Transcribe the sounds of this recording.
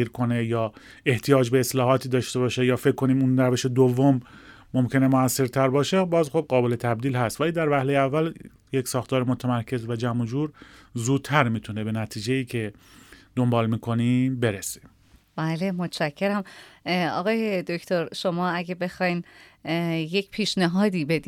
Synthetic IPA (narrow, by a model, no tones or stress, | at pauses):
iɾkʰo̞ne̞jɒː | e̞ht̪ʰijɒːd͡ʒbe̞ːslɒːɦɒːt̪ʰiːd̪ɒːʃt̪e̞βɒːʃejɒːfe̞kʰːo̞niːmunɾæve̞ʃed̪ovːomː | omcʰe̞nemoæsːe̞ɾt̪ʰæɾbɒːʃe̞bɒːzxob̚ɢɒːbe̞le̞t̪ʰæb̚d̪iːlɦæst̪væliːd̪æɾvæhlejeævːæl | jecsɒːxt̪ʰɒːɾemot̪ʰæmæɾcʰe̞zvæd͡ʒæmod͡ʒuːɾzuːd̪̥̚t̪ʰæɾmiːt̪ʰunebe̞næt̪ʰiːd͡ʒe̞jiːcʰe̞d̪ombɒːlmiːkʰo̞niːbe̞ɾesi̥m | bæːlemo̞t̪ʃæcʰːeɾæmɒ̰ɣɒːjed̪oct̪ʰoɾʃo̞mɒːæɟebe̞xɒjn | jecpʰiːʃneɦɒːd̪iːbe̞d̪i